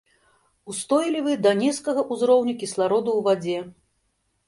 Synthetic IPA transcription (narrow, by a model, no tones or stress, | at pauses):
ust̪ɔjlʲivɨd̪ɐnʲɛt̪skɐɣɐʔuzɾɔwnʲɐkʲislˠaɾɔd̪uwvad͡zʲɛ